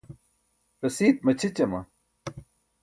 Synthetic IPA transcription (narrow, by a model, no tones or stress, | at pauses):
ɾɐsiːt̪̚mɐt͡ɕʰit͡ɕɐmɐ̰